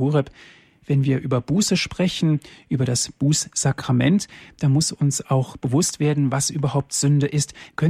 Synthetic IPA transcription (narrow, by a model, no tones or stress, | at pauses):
uːʁɛp | v̥ɛnviːɐʔyːbɐbuːsəʃpʁ̥ɛçn̩ʔyːbɐɾasb̥uːsz̥akʁ̥amɛntd̥anmʊsʊnsaʊxb̥əvʊstv̥eːɐdn̩vasʔyːbɐhɦaʊp̚tz̥ʏndəʔɪstkʰœn